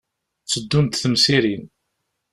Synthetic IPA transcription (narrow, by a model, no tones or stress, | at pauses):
t͡sːəd̪ːumt̪θəmsiɾin